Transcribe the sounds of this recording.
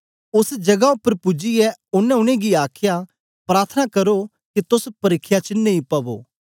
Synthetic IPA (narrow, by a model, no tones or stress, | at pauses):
ʊsd͡ʒɐɡaʊpːəɾpʊd͡ʒiɛʊnːɛ̃ʊɽ̃ẽɡiaːkʰja | pɾaːɾt̪ʰənakɐɾo | kit̪ʊspɐɾɪkʰːjat͡ʃənẽĩpɐbo̰ː